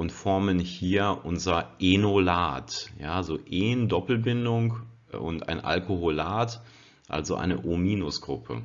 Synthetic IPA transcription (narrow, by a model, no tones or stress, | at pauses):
ʔʊntfɔɐmənhiːɐʔʊnzɐʔenolaːtjaːzoʔeːndɔpl̩bɪndʊŋk | ʔʊ̰ntʔa̰ɪnʔa̰lkoholaːt | ʔa̰lzoʔa̰ɪnəʔomiːnʊsɡ̥ʁʊpʰə̰